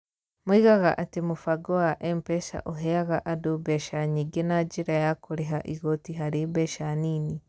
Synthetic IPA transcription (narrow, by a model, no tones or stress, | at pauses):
mwiɣaɣaʔatemufaɡowaʔempɛsa̰ʔoɦɛaɣaʔadubɛʃaɲiɡenaɟiɾajakuɾeɦaʔiɣotiɦaɾibɛʃaniːni